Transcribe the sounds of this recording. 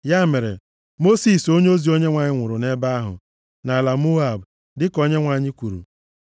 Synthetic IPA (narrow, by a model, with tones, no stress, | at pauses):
ja˦me˨ɾḛ˨ | mo˦si˦˨so˦ɲ˦o˦zi˨o˦ɲe˦ŋʷa˨ɲɪ˦ŋʷʊ˨ɾʊ˨ne˦ba˦a˦ɦʊ̰˨ | na˨la˨mo˦a˨b | dɪ˦ko˦ɲe˦ŋʷa˨ɲɪ˦kʷu˨ɾṵ˨